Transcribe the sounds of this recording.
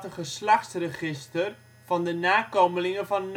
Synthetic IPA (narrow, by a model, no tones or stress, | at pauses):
təχəslaχtsrəχɪstər | v̥ɑndənaːkowməlɪŋəvɑnː